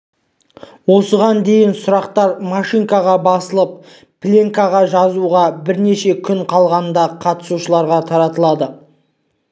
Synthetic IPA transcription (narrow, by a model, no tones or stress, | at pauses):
wo̞səʁɑnd̪e̞jɪnsʊɾɑqt̪ɑɾmaʃiŋkaʁɑbɑsəlˠəp̚ | plʲeŋkaʁɑʒɑzuʁɑbɪɾne̞ʃe̞kʲʰʏɴqʰɑlˠʁɑnd̪ɑqʰɑt̪ə̥suʃəlˠɑɾʁɑt̪ʰɑɾɑt̪əlˠɑd̪ə